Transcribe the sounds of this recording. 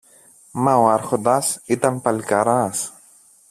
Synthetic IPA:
mawaɾxod̪asit̪ampalkaɾas

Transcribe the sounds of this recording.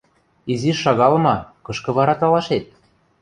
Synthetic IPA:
iziːɑɣɑlmɑkɤ̆ʃkɤ̆βɑɾɑt̪ɑlɑʃet̪̚

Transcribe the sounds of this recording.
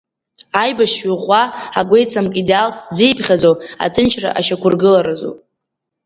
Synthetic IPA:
ajbaʃɥuʁʷaaɡʷe̞jt͡sʰamkʼidalszejpʰχʲad͡zowa̰t͡sʼɨnt͡ʃʰra̰ʔaʃakʷʰʊrɡɨlaɾazo̰wʼ

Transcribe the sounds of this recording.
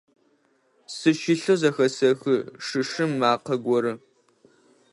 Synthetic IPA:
sɨʃiɬozɐxɐsɐxɨʂɨʂɨmːaːqɐɡʷɔɾɨ

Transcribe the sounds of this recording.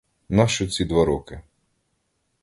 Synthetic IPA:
nɑʃt͡ʃɔt͡sʲid̪ʋaɾɔkɪ

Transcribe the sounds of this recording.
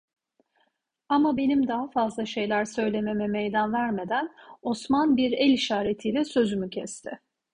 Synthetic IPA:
amabe̞nimd̪aɦafazlˠaʃe̞jlʲæɾsø̞jlʲe̞memɛmejd̪ænvæɾme̞d̪æno̞smanbiɾɛlʲiʃaːɾet̪ʰiːlʲɛsø̞zymycʰɛst̪ʰɪ

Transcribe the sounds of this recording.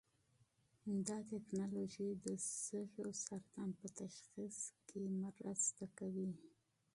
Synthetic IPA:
d̪ɑt̪eknɑloʒid̪əsəxosaɾt̪anpət̪aʃxiskʰemaɾast̪akawi

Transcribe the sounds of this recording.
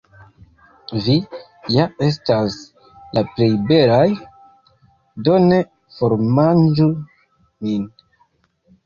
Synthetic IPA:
vi | jae̞s̬tas | lʔaple̞jbe̞laj | do̞ne̞ | fo̞ɾmand͡ʒu | min

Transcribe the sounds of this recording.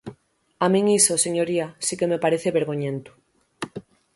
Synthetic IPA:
amĩŋisoseɲoɾiasikemepaɾeθeβeɾɣ̞oɲẽnt̪u̥

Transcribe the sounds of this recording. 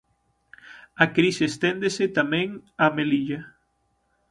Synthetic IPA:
akɾisest̪end̪eset̪amẽŋameliʎa

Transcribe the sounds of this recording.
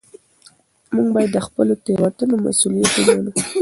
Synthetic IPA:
muŋɡbɑjad̪ːəxpəlot̪ewat̪unoma̰sulijat̪emanu

